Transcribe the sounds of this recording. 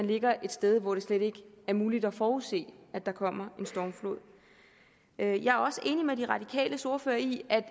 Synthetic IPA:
ænle̝ɡ̥ɐʔe̝d̥sd̥eð̞ˠʋɒɾ̥e̝sled̥e̝ɡ̥əæɐmuːlid̥ɒfɒːuðˠse̝̰ːæd̥ɑ̈kʰɒ̽m̰ɐe̝nsd̥ɒːmflo̝ð̰ˠ | øjɑ̈æɐɒ̽səʔe̝ːnimed̥iʁɑ̈d̥ikʰɛ̰ːləso̝ɐfø̰ːɐiæd̥

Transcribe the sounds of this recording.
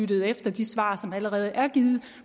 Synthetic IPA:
yd̥əð̞̩ˠefd̥ɐd̥isʋɑ̰̈ːsɒ̽mæləʁɛːð̞̩ˠʔæɐɡ̥ið̩ˠ

